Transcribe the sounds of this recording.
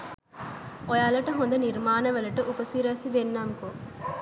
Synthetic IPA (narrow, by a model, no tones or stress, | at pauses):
ɔjaːlɐʈɐɦond̪ɐniɾmaːnɐʋɐlɐʈɐʔupɐsiɾɐsid̪enːamko